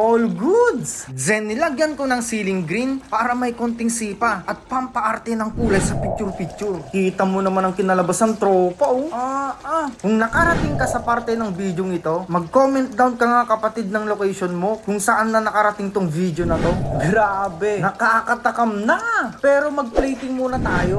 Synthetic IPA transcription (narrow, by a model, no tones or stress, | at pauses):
ʔolɡud̪szɛnːɪlaɡjɐnkonɐŋsiːlɪŋɡɾinpaːɾɐmɐjkont̪ɪŋsiːpɐʔɐt̪̚pɐmpɐʔaɾt̪ɛnɐŋpuːlɐjsɐpik̚t͡ʃuɾpik̚t͡ʃʊɾkiːt̪ɐmonɐmanɐŋkɪnɐlɐbasɐŋt̪ɾoːpawʔaʔakʊŋnɐkaɾɐt̪ɪŋkɐsɐpaɾt̪ɛnɐŋvid̪joŋɪt̪o̞mɐɡ̚komɛnt̪̚d̪ɐwnkɐmɐŋɐkɐpɐt̪id̪̚nɐŋlokɛjʃonmo̞kʊŋsɐʔanːɐnɐkɐɾɐt̪ɪŋt̪oŋviːd̪jonɐt̪o̞ɡɾaːbɛnɐkɐʔakɐt̪ɐkɐmnɐpɛːɾo̞mɐɡ̚plɛjt̪ɪŋmuːnɐt̪aːjo̞